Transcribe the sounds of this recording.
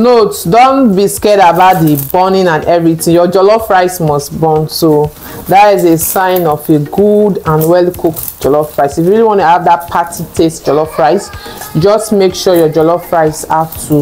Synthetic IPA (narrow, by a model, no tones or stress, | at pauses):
notdõnbiskɛɾabaʊt̚dibɔnĩnãnɛvɹitĩŋjɔd͡ʒɔlɔfɹaɪsmɔstbɔnso | datizesãɪ̃nɔfeɡudãnwɛlkʰukd͡ʒɔlɔfɹaɪsifjuɹiliwɔ̃nuhavdat̚pʰatʰitʰestd͡ʒɔlɔfɹaɪsd͡ʒɔstmekʃɔjɔd͡ʒɔlɔfɹaɪsaftʰu